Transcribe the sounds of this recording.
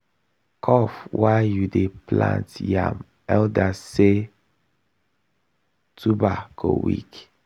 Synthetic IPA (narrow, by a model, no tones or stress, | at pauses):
kʰɔfwajjudeplã̰ntjã̰m | ɛldase | tʰubaɡ̥o̰wḭk